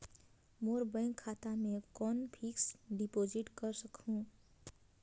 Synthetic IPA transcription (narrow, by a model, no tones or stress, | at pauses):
moːɾbəɪ̃ŋkʰːaːt̪amẽkɔːnpʰiksɖipoːd͡ʒiʈkəɾsəkʰũ